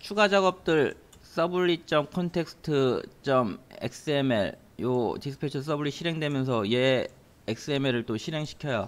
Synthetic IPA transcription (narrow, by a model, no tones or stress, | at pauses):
t͡ɕʰuɡad͡ʑaɡʌp̚t͈ɯɭ | s͈ʌbuɭːit͡ɕ͈ʌmkʰʌntʰe̞k̚sʰɯ̥tʰɯt͡ɕ͈ʌmḛk̚s͈ɯemḛɭ | jotisʰɯ̥pʰet͡ɕʰʌs͈ʌbuɭːiɕʰiɾɦe̞ŋdwemjʌnsʰʌjeː | k̚s͈ɯe̞meɾɯɭt͈oɕʰiɾe̞ŋɕʰi̥kʰjʌjo